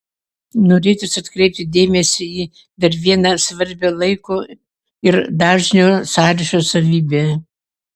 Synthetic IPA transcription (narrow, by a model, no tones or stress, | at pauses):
noːɾʲeːt̪ʲʊsɐt̪kɾʲɛɪp̚ʲt̪ʲɪd̪ʲeːmʲɛsʲɪiː | d̪ɐɾʋʲiɛnɐsʋɐɾʲbʲolˠɐɪkoː | ɪɾd̪ɑːʒʲnʲoːsɑːɾʲɪʃʲoːsɐʋʲiːbʲeː